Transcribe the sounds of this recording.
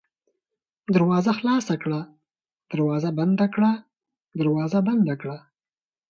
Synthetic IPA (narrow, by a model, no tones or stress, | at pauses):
d̪əɾwɑzaxlɑsakɽa | d̪̥əɾwɑzaband̪akɽa | d̪əɾwɑːzaband̪akɽa